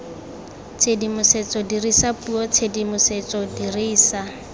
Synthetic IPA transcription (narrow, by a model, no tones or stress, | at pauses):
t͡sʰedimʊset͡sʼɔdirisapuɔt͡sʰedimʊset͡sʼɔdiriːsa